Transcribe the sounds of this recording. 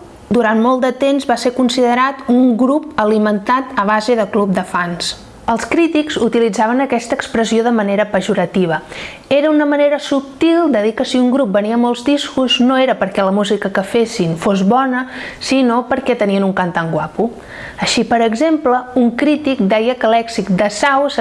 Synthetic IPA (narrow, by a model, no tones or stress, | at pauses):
d̪uɾanmolˠt̪d̪ət̪emzβaseɾkunsiðəɾat̪uŋɡɾupəlimənt̪at̪əβ̞azəðəklup̚d̪əfans | əlˠskɾit̪ikzut̪ilid͡zaβ̞ənəkɛst̪əːkspɾəsioðəməneɾəpəʒuɾət̪iβ̞ə | eɾəunəməneɾəsup̚t̪ilˠd̪əðikəsiuŋɡɾup̚bəniəmolˠzd̪iskuznoeɾəpəɾkɛləmuzikəkəfesinfozβɔnəsinopəɾkɛt̪əniənuŋkant̪aŋɡwapu | əʃipəɾəɡzempləuŋkɾit̪ik̚d̪ɛjəkəlɛksik̚d̪əsaws